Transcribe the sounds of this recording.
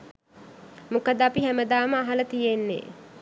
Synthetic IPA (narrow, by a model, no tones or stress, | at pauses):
mukəd̪apiɦæməd̪aːməaɦalət̪ijenːḛː